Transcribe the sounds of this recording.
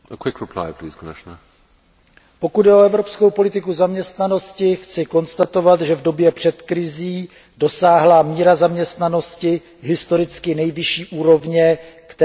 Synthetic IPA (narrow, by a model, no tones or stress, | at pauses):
əkʰwɪkɹɪpʰla̰ɪpʰliz̥kʰəmɪʃnə | po̞kud̪dɛo̞ɛvɾo̞pskowpo̞lɪt̪ɪkuzamɲɛst̪nano̞scɪxt͡sɪko̞nst̪at̪o̞vat̪ʒɛvdo̞bjɛpr̝̥ɛt̪kɾɪziː | do̞saːɦlamiːɾazamɲɛst̪nano̞scɪ | ɦɪst̪o̞ɾɪt͡skɪnɛjvɪʃiːʔuːɾo̞vɲɛkt̪